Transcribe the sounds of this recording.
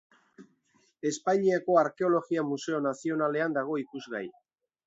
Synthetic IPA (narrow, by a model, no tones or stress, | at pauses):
e̞spaɲiako̞aɾke̞o̞lo̞ɣiamuse̞o̞nasio̞nale̞and̪aɣ̞o̞ikuzɣa̰j